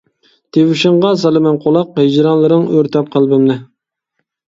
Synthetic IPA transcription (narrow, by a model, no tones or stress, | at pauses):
t̪ʰewɪʃɪɴʁɑsɑlˠɨmɛnqʰolˠɑqɦɪd͡ʒɾɑnlˠɨɾɨŋøɾt̪ʰɛp̚qʰəlˠbɨmnɪ